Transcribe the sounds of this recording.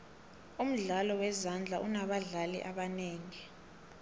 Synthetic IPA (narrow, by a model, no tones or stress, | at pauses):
um̩ɮalɔwɛzand͡ɮʱaʔunaɓaɮalḭʔaɓaneːŋi